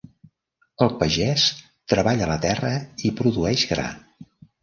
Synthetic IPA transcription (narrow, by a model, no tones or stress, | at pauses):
əlˠpəʒɛs | t̪ɾəβaʎələt̪ɛrəipɾuðuɛʒɣɾa̰